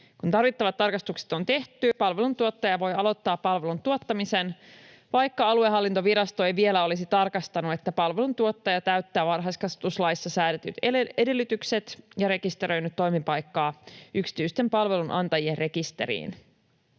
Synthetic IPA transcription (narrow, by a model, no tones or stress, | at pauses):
kunt̪ɑrʋit̪ːɑʋɑt̪ːɑrkɑst̪ukse̥t̪o̞nt̪e̞ht̪ypɑlʋelunt̪uot̪ːɑjɑʋo̞jɑlo̞t̪ːɑːpːɑlʋe̞lunt̪uot̪ːɑmise̞n | ʋɑjkːɑɑlueɦɑlːint̪oʋiɾɑst̪o̞ejʋie̞læo̞lisit̪ɑrkɑst̪ɑnue̞t̪ːæpɑlʋe̞lunt̪uot̪ːɑjɑt̪æɥt̪ːæːʋɑnɦɑjskɑset̪uslɑjisːɑsæːɾæt̪y̰t̪ee̞de̞lːyt̪ykse̞t̪jɑɾe̞kist̪eɾø̞jnyt̪ːo̞jmipɑjkːɑːyksi̥t̪yst̪e̞mpɑlʋe̞lunʔɑ̰nt̪ɑjienre̞kist̪e̞̰ɾḭːn